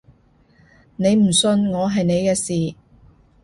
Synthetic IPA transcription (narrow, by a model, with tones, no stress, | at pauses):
ne˨˧jm̩˨˩sɵ˧nŋɔː˨˧ɦɐ˨jne˨˧jkɛː˧siː˨˩